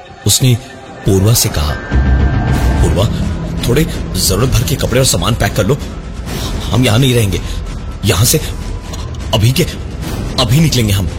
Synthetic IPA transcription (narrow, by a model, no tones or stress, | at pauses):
ʊsne | puːɾʋasekɐɦa̰ː | puːɾʋat̪ʰoːɽezɐɾuːɾət̪̚bʱɐɾkekɐpɽeɔːɾsaːma̰ːnpɛːkːɐɾloː | hɐ̰mjɐɦãnɐɦĩɾɐɦẽːŋɡeː | jɐɦãse | ɐbʱike | ɐbʱinɪklẽːŋɡeɦɐm